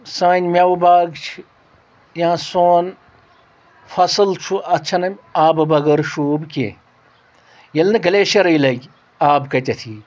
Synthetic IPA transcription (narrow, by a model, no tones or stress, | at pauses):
sɐnʲmʲɐwbaːɡt͡ʃʰi | jãːsoːn | fɐsɨlt͡ʃʰuɐtːt͡ʃʰɐnɐmʲaːbɨbɐɡɐɾʃuːbkʲḛ̃ | jɐlnɨɡɐleːʃɐɾɐilɐɡʲ | aːbkɐtʲɐt̪ʰiː